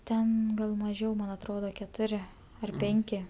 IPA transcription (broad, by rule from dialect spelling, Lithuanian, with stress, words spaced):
ˈtʲɛn ɡɐlˠ mɐˈʒʲɛʊ mɐn ɐtˈroːdɐ kʲɛˈtʊrʲɪ ɐr ˈpʲɛŋʲkʲɪ